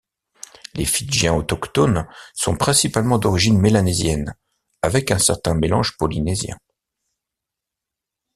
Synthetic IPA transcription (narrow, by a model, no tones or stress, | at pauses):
lefiʒjɛ̃ɔt̪ɔkt̪ɔnsɔ̃pχɛ̃sipalmɑ̃d̪ɔʁiʒinmelanezjɛn | avɛkɛ̃sɛʁt̪ɛ̃melɑ̰̃ʒpɔlinezjɛ̰̃